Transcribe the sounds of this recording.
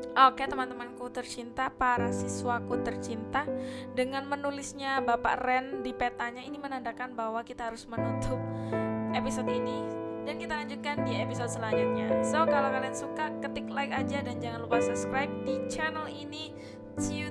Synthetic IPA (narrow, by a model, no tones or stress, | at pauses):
ʔoket̪əmant̪əmankut̪ərt͡ʃint̪apaɾasisuwakut̪ərt͡ʃint̪adəŋanmənulɪsɲabapa̰ʔrɛndipet̪aɲainimənandakanbaɦwakit̪aɦaɾʊsmənut̪ʊp̚episodinidankit̪alaɲd͡ʒut̪̚kandiepisod̪̚səlaɲd͡ʒʊt̪̚ɲasokalakaliansukakət̪ɪklajkad͡ʒadand͡ʒaŋanlukasəbskɾajp̚dit͡ʃɛnəlini | t͡ʃi